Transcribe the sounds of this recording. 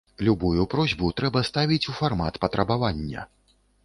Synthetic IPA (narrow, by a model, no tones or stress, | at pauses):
lʲubujupɾɔzʲbut̪ɾɛbɐst̪avʲit͡sʲufarma̰t̪pɐt̪ɾɐbavanʲːɐ̰